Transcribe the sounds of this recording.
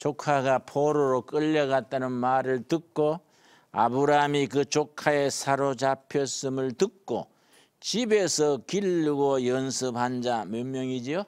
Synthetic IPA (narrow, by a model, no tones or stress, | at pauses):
t͡ɕokʰaɡapʰoɾoɾok͈ɯʎːʌɡat̚t͈anɯnmaɾɯɭtɯk̚k͈o | a̰bɯɾamikɯt͡ɕokʰaesʰaɾot͡ɕapʰjʌs͈ɯmɯɭtɯk̚k͈o̰ | t͡ɕibe̞sʰʌkilːuɡojʌnsʰɯphand͡ʑamjʌnmjʌŋid͡ʑio